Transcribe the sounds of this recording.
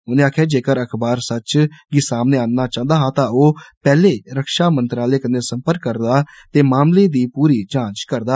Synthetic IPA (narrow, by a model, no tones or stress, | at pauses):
ʊnẽːaːkʰeːd͡ʒeːkəɾəkʰbaːɾsət͡ʃɡɪsaːmneːaːnːaːt͡ʃãːnd̪aːɦãːt̪ãːoːpɛːleːɾəkʃaːmənt̪ɾaːleːkəneːsəmpəɾkːəɾd̪aː | t̪eːmaːmleːd̪iːpuːɾiːt͡ʃãːt͡ʃkəɾd̪aː